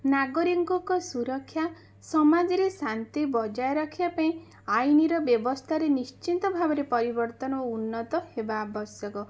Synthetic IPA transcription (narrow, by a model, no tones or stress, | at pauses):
naɡɔɾiŋkɔkɔsuɾɔkʰːja | sɔmad͡ʒɔɾesant̪ibɔd͡ʒajɾɔkʰibapaĩ | ajniɾɔbjɔbɔst̪ʰaɾenist͡ʃint̪ɔbʱabɔɾepɔɾibɔɾt̪ɔnɔɔunːɔt̪ɔhebaːbɔsjɔkɔ